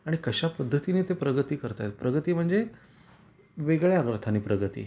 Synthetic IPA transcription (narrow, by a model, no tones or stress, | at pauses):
aɽ̃ikəɕapəd̪ʱːət̪ineːt̪epɾəɡət̪iːkəɾt̪aet̪̚pɾəɡət̪iːm̤əɳd͡ze | ʋeɡɭjaɡɾət̪ʰaniːpɾəɡət̪ḭː